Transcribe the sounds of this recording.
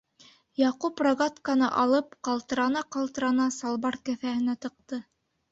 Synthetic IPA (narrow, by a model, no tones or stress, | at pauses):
jɑqupraɡat̪kɑnɑʔɑlˠɤp̚qɑlˠt̪ɤ̆ɾɑnɑqɑlˠt̪ɤ̆ɾɑnɑsɑlˠβɑɾkɘ̆θæhɘ̆næt̪ɤ̆q̚t̪ɤ